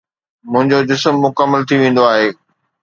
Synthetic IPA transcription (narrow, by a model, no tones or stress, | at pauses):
mʊ̃ɦɪ̃ɲd͡ʑod͡ʑɪsəmːʊkəmːəlt̪ʰiʋẽːn̆d̪oaːɦeː